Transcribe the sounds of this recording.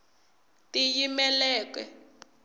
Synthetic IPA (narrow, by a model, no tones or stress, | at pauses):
tijimɛlɛːkwɛ̰